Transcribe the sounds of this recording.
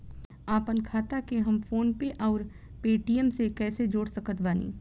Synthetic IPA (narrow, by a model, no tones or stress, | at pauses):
aːpənkʰaːt̪akeɦɐmfoːnpeʔɔːɾ | peːʈiːəmsekɛːsed͡ʒoːɽsəkət̪baːnḭː